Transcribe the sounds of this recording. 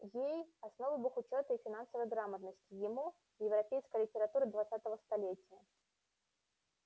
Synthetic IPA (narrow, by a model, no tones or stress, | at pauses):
jejasnɔvɨbuxʊt͡ʃɔt̪ɐifʲɪnansəvəjɡɾamət̪nəsʲtʲɪjɪmu | jɪwɾapʲejskəjlʲɪtʲɪɾat̪uɾɨd̪vat̪sːat̪əvəst̪alʲet͡sʲijə